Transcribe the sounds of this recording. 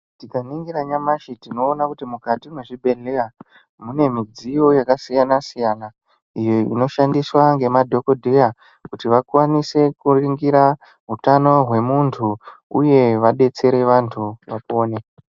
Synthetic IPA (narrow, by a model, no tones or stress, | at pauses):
tikaniŋɡiɾaɲamaʃitino̞ːnakutimukatimwe̞ʐibʱe̞lea | mune̞mid͡zijo̞jakasijanasijana | ijo̞ḭno̞ʃandiswaŋɡe̞madʱo̞kodʱeja | kutiʋakwanise̞kuriŋɡiɾa | ɦutano̞ɦwe̞muntʰuuje̞ʋaɗe̞t͡se̞ɾe̞ʋantʰuʋapo̞ːne